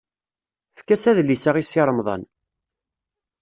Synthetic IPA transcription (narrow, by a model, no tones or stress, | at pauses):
fkːæsæðlːisaʁisːɪɾˤəmðˤɑ̰n